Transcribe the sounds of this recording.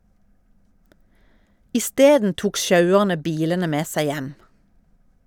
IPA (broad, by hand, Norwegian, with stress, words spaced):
ɪˈsteːdn ˈtuːk ˈʃɑʉəʁnə ˈbiːlənə ˈmeː ˈsæɪ ˈjɛm